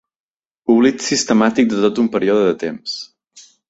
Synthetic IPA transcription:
puβlit̪sist̪əmat̪ik̚d̪ət̪ot̪umpəɾioðəðət̪ems

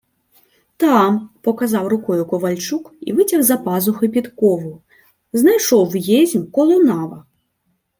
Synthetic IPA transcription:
t̪ampɔkazawrʊkɔjukɔvalʲt͡ʂukḭvɨt͡sʲɐɣzɐpazuxɨpʲit̪kɔvu | znajʂɔwjezʲmʲkɔlˠɔnavɐ

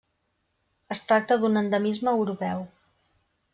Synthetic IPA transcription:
əst̪ɾak̚t̪əðunənd̪əmizməːwɾupɛw

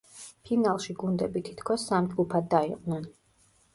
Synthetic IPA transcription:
pʰinalˠʃiɡund̪ɛbit̪ʰi̥t̪ʰkʰɔsːamd͡ʒɡupʰad̪ːaiqʼnɛn

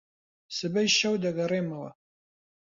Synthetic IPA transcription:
sɨbɐjʃɐwdɐɣɐreːmɐwɐ̰

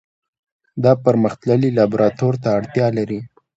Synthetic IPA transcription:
d̪ɑpəɾməxt̪ləlilɑbuɾɑt̪oɾt̪aːɽt̪jɑlaɾi

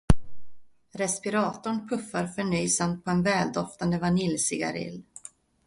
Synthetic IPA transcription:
ɾɛspɪɾɑːt̪ʊɳpʰɵfːaɾfœɳyːsamt̪̚pʰɔɛnvɛːld̪ɔft̪and̪əvanɪlsɪɡa̰ɾɪ̰lː

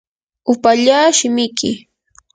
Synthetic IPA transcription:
ʊpaʎaːʃɪmɪjkɪ

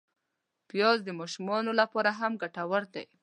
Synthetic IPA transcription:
pjɑzd̪əmɑʃumɑnolapɑɾaɦamɡaʈawaɾd̪a̰j

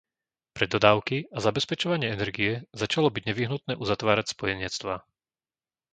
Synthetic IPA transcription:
pɾɛd̪ɔd̪aːʊkiazabɛspɛt͡ʃɔʋaɲɪɛɛnɛɾɡijɛzat͡ʃalɔbiɟɲɛʋiɦnut̪nɛːʔuzat̪ʋaːɾacspɔjɛɲɪɛt͡st̪ʋaː

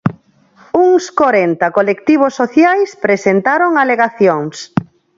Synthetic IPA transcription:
uŋskoɾent̪akolekt̪iβ̞osːoθjajspɾesent̪aɾoŋaleɣaθjoŋs

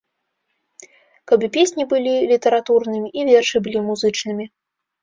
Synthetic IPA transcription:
kɐbɨpʲesʲnʲibɨlʲilʲit̪ɐɾat̪urnɨmʲiʔivʲɛrʂɨbɨlʲimuzɨt͡ʂnɨmʲi

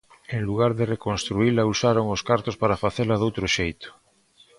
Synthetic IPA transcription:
eŋluɣ̞aɾðerekonst̪ɾuilausaɾoŋoskaɾt̪ospaɾafaθeɾlaðowt̪ɾoʃejt̪o̥

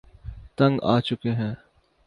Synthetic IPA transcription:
t̪ɐ̃ŋɡaːt͡ʃʊkeɦɛ̃ː

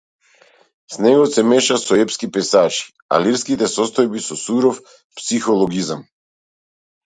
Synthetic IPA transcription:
snɛɡɔsɛmɛʃasɔɛpskipɛsat͡ʃi̥ | a̰liɾskit̪ɛsɔst̪ɔjbisɔsuɾɔf | psixɔlˠɔɡizam

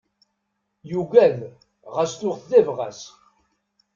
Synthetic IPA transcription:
juɡæð | ʁæsθʊʁθðævʁæ̰s

